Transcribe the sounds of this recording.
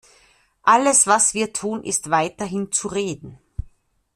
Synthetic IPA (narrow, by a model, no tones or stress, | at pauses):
ʔaləsv̥asv̥iːɐtʰuːnʔɪ̰stv̥aɪtɐɦɪnt͡suʁeːdn̩